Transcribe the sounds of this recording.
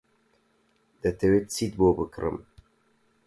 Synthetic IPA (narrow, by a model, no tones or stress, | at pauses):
d̪̥ɐt̪ʰɛwet̪t͡sit̪̚boːbɨkɾɨ̰m